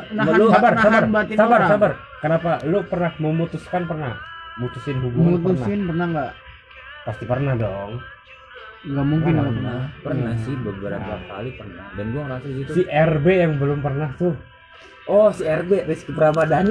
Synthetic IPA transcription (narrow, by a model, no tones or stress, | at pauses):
aməlabarsabarbaisabarsabar | kənapalupərnahməmut̪uskanpərnahmut̪usɪnɦubumut̪usnaɪnpərnahŋɡaʔ | past̪ipərnahdɔŋ | ŋɡamuŋkɪnaənapərnasɪhbəbəɾa̰ba̰ka̰lipərnahdanɡuaŋɾasɡit̪siʔɛrbejaŋbəlʊmpərnaht̪ʊ | ʔɔhsiɛrberiskipəɾamada